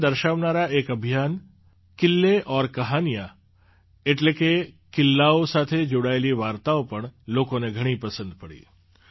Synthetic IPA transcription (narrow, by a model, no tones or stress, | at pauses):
d̪əɾʃaʋnaɾaekəbʱijan | kɪlːeʔɔɾkəɦanija | eʈleke | kɪlːaosat̪ʰed͡ʒoɽaeliʋaɾt̪aopəɳlokoneɡʱəɽ̃ipəsə̃nd̪pəɽḭ